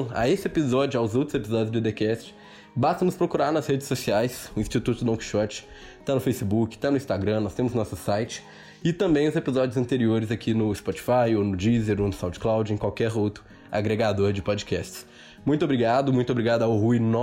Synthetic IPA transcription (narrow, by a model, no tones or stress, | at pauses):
a̰esɪepizɔd͡ʒʊawzowt̪ɾʊzepizɔd͡ʒʊzd͡ʒ̪ɪd̪ekɛst͡ʃɪ̥ | bast̪ɐnʊspɾokuɾaɾnɐshed͡ʒɪ̥sːosiajsʊĩst͡ʃit̪ut̪ʊd̪õki̥ʃɔt͡ʃɪ̥ | t̪anʊfejsibukɪ̥t̪anʊĩst̪aɡɾɐ̃nɔst̪ẽmʊznɔsʊsajt͡ʃɪ̥ | ɪt̪ɐ̃mbẽj̪̃ʊzepizɔd͡ʒʊzɐ̃nt̪eɾioɾɪzakʰinʊɪspɔt͡ʃi̥fajonʊd͡ʒizeɾonʊsɐ̃w̃t͡ʃɪ̥klawd͡ʒʊẽkwawkɛɾowt̪ʊ | a̰ɡɾeɡad̪oɾd͡ʒɪpɔd͡ʒɪkɛst͡ʃɪ̥s | mũj̃t̪ʊobɾiɡad̪ʊmũj̃t̪obɾiɡad̪ʊaʊɦuinɔ